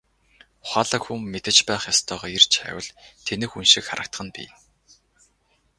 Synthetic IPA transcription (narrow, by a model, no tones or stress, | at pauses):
χʷaːɮə̆xumːet̪ɘ̆t͡ɕpæːχjast̪ʰœːʁɔːert͡ɕʰæ̰ːwə̆ɮt̪ʰenɘ̆xunʃikχa̰ɾə̆k̚t̪χə̆npḭː